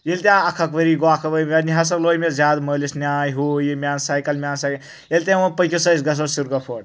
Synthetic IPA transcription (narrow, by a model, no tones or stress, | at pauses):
jelʲt̪ʲjãɐkʰɐkʋəɾiɡoakʰɐʋəiʋeniɦas̬ɐkloːjmezʲjaːd̪məːlisnʲaːjɦoːjimʲaːnsaːjkɐlmʲaːnsaːjk | elʲt̪ʲaopəjkʰʲosəsɡɐs̬osuɾɡɐpʰoːʈ̚